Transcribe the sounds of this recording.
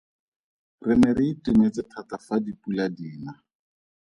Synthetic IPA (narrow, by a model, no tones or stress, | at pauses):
rɪmɛɾɪitʼɪnet͡sɪtʰatafadipʼuladiːna